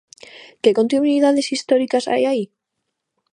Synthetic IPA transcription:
keko̞nt̪innwiðaðe̞sist̪oɾikasa̰jai

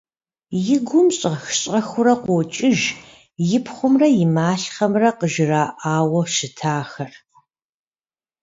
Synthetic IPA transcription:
jɪɡʷʊmɕʼɐxɕʼɐxʷʊɾɐqʷɔt͡ʃʼɪʒ | jɪpʰχʷʊmrɐjɪmaːɬχɐmrɐqəʒɪraːʔaːwɐʃɪtʰaːxɐr

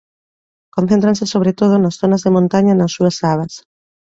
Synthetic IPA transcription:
kõn̟θẽnt̪ɾansɪsoβɾet̪oð̞ʊnɐsθonɐzðemõnt̪aɲɐnɐsːuɐsaβ̞ɐs

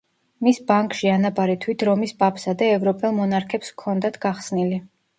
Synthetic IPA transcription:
misbaŋkʼʃianabʼaɾit̪ʰwit̪ʰɾɔmispʼapʰsad̪ɛːvɾɔpʼɛlˠmɔnaɾkʰɛpskʰɔnd̪at̪ʰɡ̥aχsnili

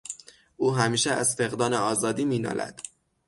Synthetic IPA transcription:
uːɦæmiːʃeæzfe̞ɣd̪ɒːneɒːzɒːd̪iːmiːnɒ̰ːlʔæ̰d̪̥

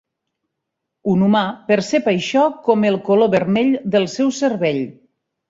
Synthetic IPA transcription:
unumapəɾsepajʃɔkɔmelˠkoloβərmɛʎd̪əlˠsɛwsəɾβeʎ

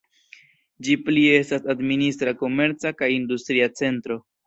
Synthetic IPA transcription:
d͡ʒiplie̞stasadministɾako̞me̞ɾt͡sakajindustɾiat͡se̞ntɾo̞

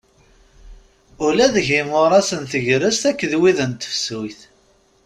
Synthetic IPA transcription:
ʊlæðʝɪmʊɾˤæsənθəʝɾəst̪ækːəðwiðənt̪ːə̥fsujθ

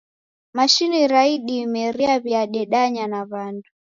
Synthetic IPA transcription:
maʃiniɾaiɗiːmɛɾiaβiaɗɛɗaɲanaβandu

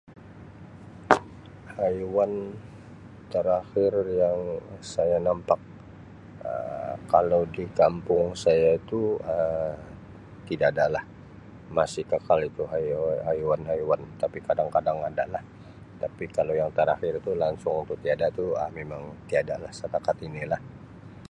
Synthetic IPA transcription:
hajuwan | t̪əɾaxɪrjaŋsajanampak̚ | ə̰kalawdikampʊŋsajait̪uə | t̪idaːdalah | masɪhkəkalit̪uɦajɦajuwanɦajuwant̪apikadaŋkadaŋada̰lah | t̪apikalojaŋt̪əɾaxɪrit̪ulaŋsʊŋunt̪ʊkt̪iadat̪uəmemaŋt̪iadalahsəpakat̪inilah

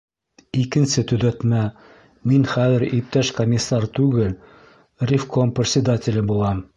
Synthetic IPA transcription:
ikɘ̆nsɘt̪ɵ̆ðæt̪mæ | minχæðɘ̆ɾip̚t̪æʃkɐmʲɪsːɑrt̪ʉɡɘl | rʲɪfkomprʲɪt̪ʲsʲɪd̪atʲɪlʲɘbulˠɑm

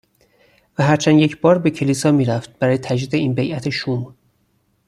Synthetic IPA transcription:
væɦæɾt͡ʃʰænje̞cʰbɒːɾbe̞cʰe̞liːsɒːmiːɾæft̪̚b̥æɾɒːjet̪ʰæd͡ʒdiːd̪eiːnbejʔæt̪ʰeʃum

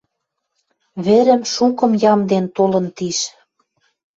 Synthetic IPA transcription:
βĕɾə̆mʃukɤ̆mjɑmd̪ent̪olɤ̆nt̪iʃ

